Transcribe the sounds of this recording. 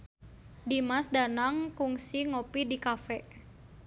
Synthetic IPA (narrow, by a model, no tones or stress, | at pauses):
dimasdanaŋkuŋsiŋopidikafɛʔ